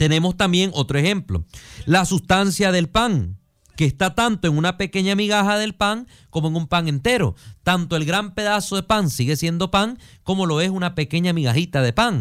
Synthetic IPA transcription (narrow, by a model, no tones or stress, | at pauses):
t̪e̞ne̞mo̞st̪ambje̞ŋo̞t̪ɾoe̞xe̞mplo̞̰lasust̪ansjaðe̞lpaŋ | keːst̪at̪ant̪o̞e̞ŋunape̞ke̞ɲamiɣaxaðe̞lpaŋ | ko̞moeŋumpaŋẽ̞nt̪e̞ɾo̞̰t̪ant̪oe̞lɣɾampe̞ðaso̞ðe̞paŋsiɣe̞sje̞nd̪o̞paŋ | ko̞mo̞lo̞e̞sunape̞ke̞ɲamiɣaxit̪aðe̞paŋ